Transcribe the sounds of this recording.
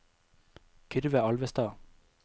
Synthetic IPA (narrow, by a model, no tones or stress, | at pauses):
kʰʏɾʋəɑlʋəst̪ɑː